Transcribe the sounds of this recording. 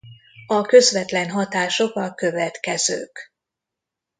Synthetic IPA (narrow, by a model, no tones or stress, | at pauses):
ɒkø̞zvɛt̪lɛnɦɒt̪aːʃo̞kɒkø̞vɛt̪kɛzø̰ːk